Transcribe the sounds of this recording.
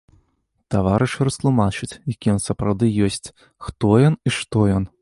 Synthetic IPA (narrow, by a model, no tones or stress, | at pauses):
t̪avaɾɨʂɾɐst̪lˠumat͡ʂɨt͡sʲjakʲijɔnsɐpɾawd̪ɨjɔsʲt͡sʲ | xt̪ɔjɔniʂt̪ɔjɔn